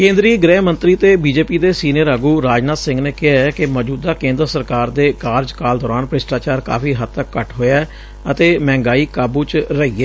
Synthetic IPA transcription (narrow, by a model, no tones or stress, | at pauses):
kẽːnd̪ɾiːɡɾɛːmə̃nt̪ɾiːt̪eːbiːd͡ʒeːpiːd̪eːsiːnijəɾəɡuːɾaːd͡ʒnaːt̪sɪ̃ŋɡneːkɪɦaːɛːkɪməd͡ʒuːd̪aːkẽːnd̪əɾsəɾkaːɾd̪eːkaːɾd͡ʒkaːld̪ɔːɾaːnpɾɪsʈaːt͡ʃaːɾka̰ːpʰiːɦəd̪̚t̪əkːəʈɦoːjaː | ət̪eːmɛ̃ːŋɡaːiːkaːbuːt͡ʃɾəiːɛː